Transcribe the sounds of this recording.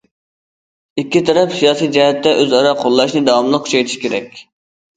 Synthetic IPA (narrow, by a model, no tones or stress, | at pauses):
ikʲːit̪ʰɛɾɛpsijɑːsijd͡ʒɛɦɛt̪ːɛʔøzɑɾɑqʰolˠːɑʃnɨd̪ɑwɑmlˠəqːʰʊ̥t͡ʃʰɛjt̪ʰiʃi̥kʲʰeɾɛ̰kʲ